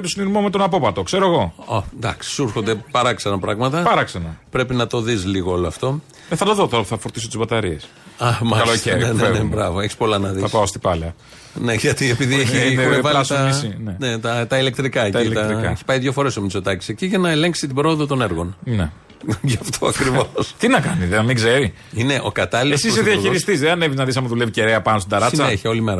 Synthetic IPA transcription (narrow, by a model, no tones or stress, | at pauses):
et̪osiniɾmomet̪o̞nɐpo̞pɐt̪okse̞ɾoeɣo̞ɐnd̪ɐksi̥suɾxo̞nd̪e̞pɐɾɐksɐnɐpɾɐ̰ɣmɐt̪ɐpɐɾɐksɐnɐpɾe̞pinɐt̪o̞ðizliɣooloɐft̪o̞ | eθɐt̪oðot̪oθɐfoɾt̪isot̪izbɐt̪ɐɾies | ɐmɐkɐloeɾennebɾɐvo̞eçi̥spo̞lɐnɐðiɐspaost̪i̥pɐlɐ | ne̞ʝɐt̪iepiðieçinevɐlst̪ɐisinene̞t̪ɐt̪ɐile̞k̚t̪ɾikɐec̪ɐit̪ɐɾikeçi̥pɐjðʝo̞fo̞ɾe̞so̞mit͡so̞t̪ɐci̥se̞ciʝɐnɐe̞leŋksit̪ibɾo̞oðot̪o̞ne̞ɾɣo̞nne | ʝɐft̪ʰo̞ɐkɾivo̞st̪inɐkɐniðeɐmiɡzeɾi | ine̞ʔo̞̰kɐt̪ɐlilesisseðiɐçiɾist̪iz̬ðeɐneviznɐðis̬ɐmɐðuleviceɾeɐpɐnos̬t̪id̪ɐɐt͡snɐeeçeo̞limeɾɐ